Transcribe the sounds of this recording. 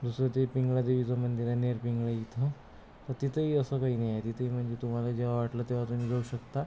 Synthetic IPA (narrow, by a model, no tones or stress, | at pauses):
d̪usɾət̪epiŋɡɭad̪eʋid͡zəmənd̪iɾaneɾpiŋɡɭajit̪ʰə | t̪əɾt̪it̪əɦiəsəkaɦiːnəjat̪it̪əɦim̤əɳd͡zet̪um̤alad͡ʑeʋaʋaʈlət̪eʋat̪uniɡʱəɭuɕəkt̪a